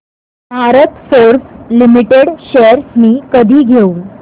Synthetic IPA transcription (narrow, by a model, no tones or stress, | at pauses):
bʱaɾət̪foɾslimiʈeɽɕeəɾsniːkəd̪ʱiːɡʱeuː